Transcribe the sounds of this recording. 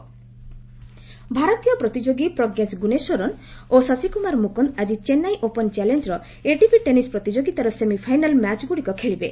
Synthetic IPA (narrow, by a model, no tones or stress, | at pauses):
bʱaɾɔt̪ijɔpɾɔt̪id͡ʒoɡipɾɔɡesɡunesoɾɔnosɔsikumaɾmukɔnt̪ad͡ʒit͡ʃenajʔopɔnt͡ʃalend͡ʒɾɔ | eʈipiʈenispɾɔt̪id͡ʒoɡit̪aɾɔsemipʰajnalmat͡ʃɡuɽikɔkʰeɭibe